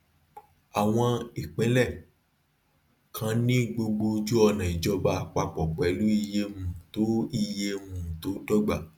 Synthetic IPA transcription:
a˨w̃ɔ̃˧i˨k͡pɛ̃˨˦lɛ˦˨ | kʰã˧nĩ˦ɡ͡bo˧ɡ͡bo˧d͡ʒu˦ɔ˧nã˨i˨d͡ʒɔ˧ba˧k͡pa˧k͡pɔ˨k͡pɛ˨˦lu˦i˧je˦mũ˦to˨˦i˧je˦mũ˦˨to˨˦dɔ˦ɡ͡ba˦˨

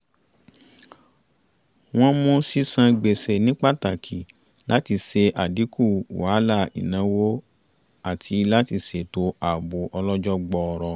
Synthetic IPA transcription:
w̃ɔ̃˦mõ˦si˦sã˧ɡ͡be˨se˨nĩ˦k͡pa˦˨ta˨kʰi˨ | la˦ti˧se˧ʔa˨di˨˦ku˦˨wa˨˦la˦˨ḭ˨nã˨˦wo˦ | a˦˨tʰi˧la˦ti˧se˨to˧a˨bo˨ʔɔ˧lɔ˦d͡ʒɔ˦ɡ͡bɔ˧ɔ˧ɾɔ˧

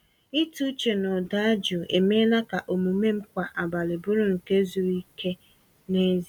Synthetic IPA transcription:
i˦tu˦t͡ʃe˨nɔ˨da˦d͡ʒu˨e˨me˦la˦ka˨ʔo˨mu˨me˦m̩˦kʷa˨ʔa˨ba˨lɪ˨bʊ˦ɾʊ˦ŋ̩˨ke˦zu˨ɾi˦ke˦ | ne˦zi˦

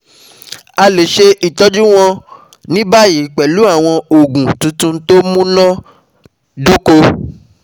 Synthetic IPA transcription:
a˧le˨ʃe˧ʔi˨tɔ˦d͡ʒu˦w̃ɔ̃˧ | nĩ˦ba˦˨ji˨˦˨k͡pɛ˨lu˨˦a˦˨w̃ɔ̃˧o˨ɡũ˨tũ˧tũ˦to˦mũ˦nã˦ | du˦ko˧

